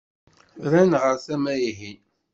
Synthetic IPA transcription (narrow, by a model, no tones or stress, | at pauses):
ɾænʁəɾθæmæiɦi